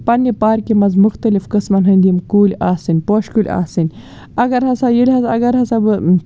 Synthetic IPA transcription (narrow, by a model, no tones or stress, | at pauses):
pɐnepaːɾkemɐzmʊxt̪ɐlifkɨsmɐnɦɐnd̪imkuːlʲaːsinpoːʃkulʲa̰ːsin | ɐɡɐɾhɐsajilʲhɐsɐ̰ɡɐɾhɐsɐbɨ